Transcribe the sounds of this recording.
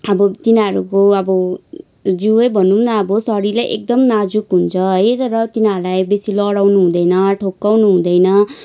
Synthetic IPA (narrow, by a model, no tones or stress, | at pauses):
ʌbʌt̪inaɾukoʌbʌ | d͡zuʌjbʱʌnumnaːbʌsʌɾilajʔḛk̚d̪ʌmnad͡zukɦunt͡sʰʌɦʌjt̪ʌɾʌt̪inaɾlajbesilʌɽawnuɦũd̪ʌjnʌʈʰokːawnuɦũd̪ʌjnʌ